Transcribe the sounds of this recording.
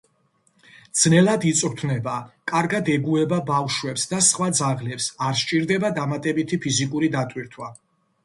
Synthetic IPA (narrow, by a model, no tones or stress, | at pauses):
d̪z̥nɛlad̪it̪sʼɾt̪ʰnɛbakʼaɾɡad̪ɛɡuɛbabafʃwɛpsd̪asχwad̪zaʁlɛpsaɾʃt͡ʃʼiɾd̪ɛbad̪amat̪ʼɛbit̪ʰipʰizikʼuɾid̪at̪ʼwiɾt̪ʰwa